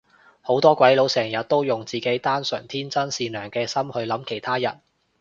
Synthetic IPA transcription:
ho˨˥wt̪ɔː˥kʷwɐ˨˥jlo˨˧wsɛː˨˩ŋjɐ˨t̚t̪o˥wjʊ˨˩ŋt͡siː˨˩ke˨˥jt̪aː˥nsœ̰ː˨˩ŋt̪ʰiː˥nt͡sɐ˥nsiː˨˧nœː˨˩ŋkɛː˧sɐ˥mhɵ˧ɥlɐ˨˥mkʰe˨˩jt̪ʰaː˥jɐ̰˨˩n

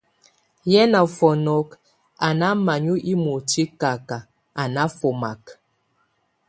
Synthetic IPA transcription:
jɛ˦na˨fɔ˨nɔ˨˦k | a˨na˦ma˨ɲu˦ʔi˦mu˨ti˦ka˨ka˨ | a˨na˦fo˨ma˨k

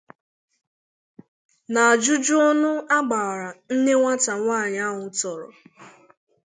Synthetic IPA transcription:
na˨a˨d͡ʒʊ˦d͡ʒʊ˦ɔ˦nʊ˦a˦ɡ͡ba˨ɾa˨n̩˦ne˦ŋʷa˦ta˨ŋʷaː˦˨ɲ˨a˦ɦʊ˨tɔ˨ɾɔ̰˨

